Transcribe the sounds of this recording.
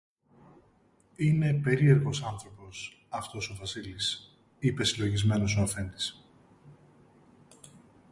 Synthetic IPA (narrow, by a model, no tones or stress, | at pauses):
ine̞pe̞ɾie̞ɾɣo̞sɐnθɾo̞po̞s | ɐft̪o̞so̞vɐsilis | ipe̞silo̞ʝizme̞no̞so̞ɐfe̞nd̪i̥s